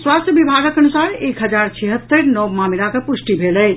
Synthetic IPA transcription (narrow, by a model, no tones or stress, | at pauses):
swast̪ʰjəbibʱaɡəkənusaɾekɦəd͡ʒaɾt͡ʃʰɛɦət̪ːəɾnəwmamiɾakəpusʈibʱelɛ